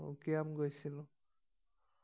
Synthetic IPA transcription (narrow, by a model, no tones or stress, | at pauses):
kiamɡojsilʊ̃